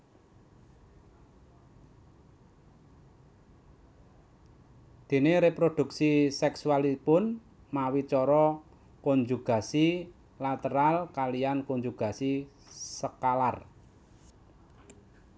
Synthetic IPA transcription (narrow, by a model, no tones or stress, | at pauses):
d̪̥e̤neɾepɾod̪̥ṳksisɛksualipʊn | mawit͡ʃɔɾɔ | kɔɲd͡ʒuɡ̥a̤si | lat̪əɾalkalijankɔɲd͡ʒuɡ̥a̤si | səkalar